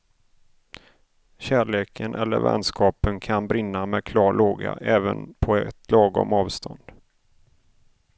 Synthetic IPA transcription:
ɕæːɭeːkʰənʔɛlːəɾvɛ̰nskʰɑːpənkʰanbɾɪnːamɛkʰlɑːɭoːɡa̰ʔɛːvənpʰɔɛt̪ʰlɑːɡɔmɑːvst̪ʰɔnd̪̥

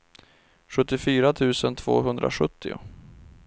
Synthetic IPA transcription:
ɧɵt̪ːɪfyːɾat̪ʰʉ̟ːsənt̪ʰv̥o̰ːɦɵnd̪ɾʔa̰ɧɵt̪ʰːɪʊ̰

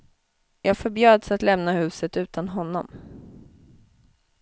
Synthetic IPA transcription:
jɑːɡfœɾbjøːd̪sat̪lɛmnahʉ̟ːsət̪ʉ̟ːt̪ʰanɦɔnːɔ̰m

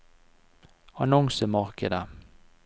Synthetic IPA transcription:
ɑnɔŋsəmɑʁkəd̪ə

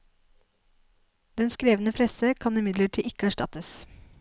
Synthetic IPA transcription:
d̪ɛnskɾeːʋənəpʰɾɛsəkʰɑnɪmɪd̪ləʈʰiːʔɪkəæʂʈɑ̰t̪əs

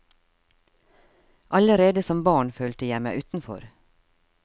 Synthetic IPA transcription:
ʔɑləɾeːd̪əsɔmbɑːɳføːlt̪əjæɪmæɪʔʉːt̪n̩fɔ̰ɾ

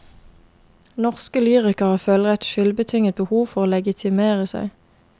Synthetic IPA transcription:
nɔʁskəlyːʁɪkəʁhɑːføːləʁɛt̪ʃʏlbət̪ʰʏŋət̪̚bəhuːʋfɔʁoːlɛɡɪt̪ʰɪmeːʁəsæ̰ɪ

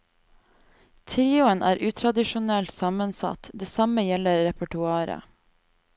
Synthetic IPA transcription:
t̪ʰɾiːʊənʔæːɾʔʉːt̪ʰɾɑd̪ɪʃʊnɛlt̪sɑmənsɑ̰t̪d̪eːsɑməjɛləɾɛpəʈʉɑːɾə̰

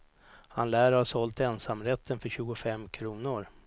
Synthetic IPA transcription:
ha̰nlæːɾhasɔlt̪ɛnsamːɾɛt̪ʰːənfœɾɕʉ̟ːɡʊfɛmːkʰɾuːnʊɾ

